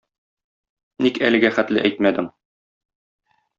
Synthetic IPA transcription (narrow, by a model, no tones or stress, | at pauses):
nikæ̰lɘ̆ɡæχæt̪lɘ̰ʔæjt̪mæd̪ɘm